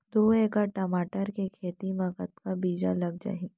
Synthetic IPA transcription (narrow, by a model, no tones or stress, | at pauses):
d̪oːeːkaʈɐmaːʈəɾkekʰeːt̪imɐkət̪kabiːd͡ʒa̰lɐɡ̚d͡ʒa̰ːi